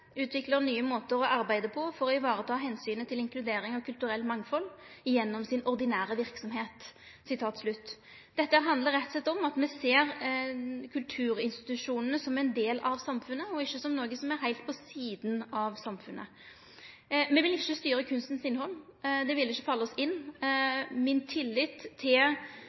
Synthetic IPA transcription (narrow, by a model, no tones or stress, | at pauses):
ʉːt̪ʰʋɪkləɾnyːəmoːt̪əɾɔʔɑɾbæɪd̪əpʰɔfɔɾɔɪʋɑːɾət̪ʰɑːɦɛnsyːnət̪ʰɪlɪŋkʰlʉd̪eːɾɪŋɑʋkʰʉlt̪ʉɾɛlːmɑŋːfɔlːɪjɛnːɔmsɪnʔɔʁd̪ɪnæːɾəʋɪɾksɔmɦeːt̪ | sɪt̪ʰɑːt̪slʉt̪ː | d̪̥ɛt̪ːəhæːɾɦɑnd̪ləɾːɛt̪ːsɛt̪ːɔmɑt̪mɛseːɾ | kʰʉlt̪ʰʉːɾɪnst̪ɪ̥t̪ʉʂuːnənəsɔmɛnd̪eːlɑʋsɑmfʉnːəɔɪçːəsɔmnoːɡəsɔmæɾɦæɪlt̪̚pʰɔsiːd̪nɑʋsɑmfʉnːʔə̰ | mɛʋɪlɪçːəst̪yːɾəkʰʉnst̪ənsɪnhɔlːd̪ɛʋɪlːɪçːəfɑlːəɔsɪnː | mɪnt̪ʰɪlːɪːt̪ʰːɪl